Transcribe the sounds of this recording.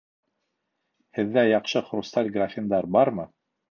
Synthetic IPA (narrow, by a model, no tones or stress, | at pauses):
hɘ̆ðːæjɑqʃɤχrust̪alʲɡrafʲɪnd̪ɑɾbɑɾmɤ